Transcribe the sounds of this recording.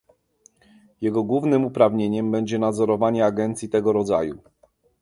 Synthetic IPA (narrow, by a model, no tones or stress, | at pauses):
jɛɡɔɡwuvnɘmupɾavɲeɲɛmbɛɲd͡ʑɛnad̪zɔɾɔvaɲɛaɡɛnt̪sʲjit̪ɛɡɔɾɔd̪za̰ju